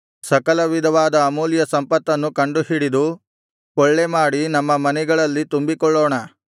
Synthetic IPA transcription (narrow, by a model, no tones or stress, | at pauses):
sɐkɐlɐʋid̪ʱɐʋaːd̪ɐːmuːljɐsɐmpɐt̪ːɐnːukɐɳɖuhiɽid̪u | kɔɭːemaːɽinɐmːɐmɐnɛɡɐɭɐlːit̪umbikɔɭːoːɳɐ